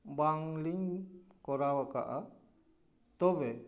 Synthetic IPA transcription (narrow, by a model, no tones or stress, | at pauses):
baŋliŋkɔɾawaka̰ʔa | t̪ɔbɛ